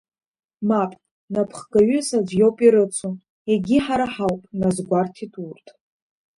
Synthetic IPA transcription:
mapʼ | napʰχɡaɥʏsad͡ʒʷjowpʼiɾɨt͡sʷʰu | eɡʲiħaɾaħawpʼnazɡʷartʰitʼurtʼ

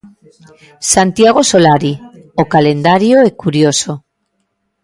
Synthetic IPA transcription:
sant̪jaɣ̞osolaɾiokalend̪aɾjoɛkuɾjoso

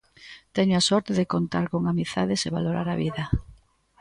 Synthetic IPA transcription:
t̪ɛɲoasɔɾt̪eðekont̪aɾkoŋamiθaðeseβa̰loɾaɾaβiðɐ

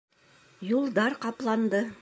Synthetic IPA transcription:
julˠd̪ɑɾqɑplˠɑnd̪ɤ

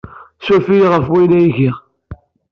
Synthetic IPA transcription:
sufiʁəfwilæjʝiʁ

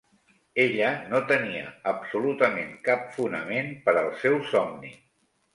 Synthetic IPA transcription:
eʎənot̪əniə̰əbsulut̪əmeŋkapfunəmenpəɾəlˠsɛwsɔmni

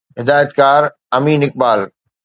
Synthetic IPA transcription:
ɦɪd̪aːjət̪kaːɾ | ɐmiːnɪk̚baːl

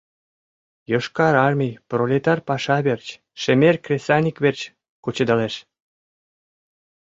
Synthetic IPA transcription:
joʃkɑɾɑrmʲijprolʲet̪ɑrpɑʃɑβert͡ɕ | ʃemerʲkrʲesʲɑnʲikβert͡ɕ | kut͡ɕɤd̪ɑleʃ

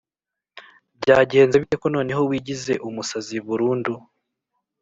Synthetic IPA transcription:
bɟaːɟe̞ːnzeβite̞kono̞ːne̞ɦo̞wiːɟize̞ʔumusaziβuɾuːndu

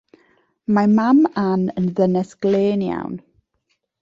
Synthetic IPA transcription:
mamamanənðənɛsɡ̥leːnja̰wn

